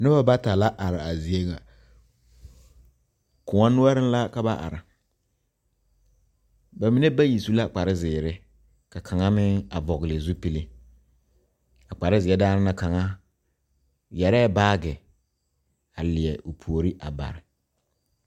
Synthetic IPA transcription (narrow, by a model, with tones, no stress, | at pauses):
nɪ˦ba˦ba˦ta˨la˦ʔa˨ɾɪ˨a˨zi˨e˦ŋa˨ | kʊ˨ŋa˦nʊ˦a˦ɾɪ˦n˦la˦ka˦ba˦ʔa̰˨ɾɪ˨ | ba˨mi˨ne˦ba˦ji˨su˦la˦˨k͡pa˨ɾɪ˦zɪː˨ɾɪ˦ | ka˨kʰa˨ŋa˦mɪ˦ŋa˨vɔ˨ɣɪ˨lɪ˨zu˦pi˨le˦ | a˨k͡pa˨ɾɪ˦zɪ˨ɛ˦daː˦nɪ˦na˦ka˨ŋa˦ | jɛ˨ɾɛː˦baː˦ɡɪ˨ | a˨lɪ˨ɛ˨ʔʊ˨pʰu˨o˨ɾi˦ʔa̰˨ba̰˨ɾɪ˨